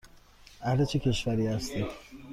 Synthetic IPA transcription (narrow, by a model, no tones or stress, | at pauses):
ʔæhlet͡ʃʰecʰe̞ʃvæɾiːhæst̪i